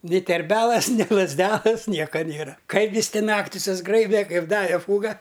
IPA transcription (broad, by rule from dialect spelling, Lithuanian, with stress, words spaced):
nʲɪ tʲɛrʲˈbʲæːlˠɐs nʲɪ lˠɐzʲˈdʲæːlˠɐs ˈnʲiɛkɐ ˈnʲeːrɐ ˈkɐɪp ˈjɪs ˈtʲɪ ˈnɑːktʲɪ sʊzˈɡrɐɪbʲɛ kɐɪp ˈdɑːʋʲɛ ˈfuːɡɐ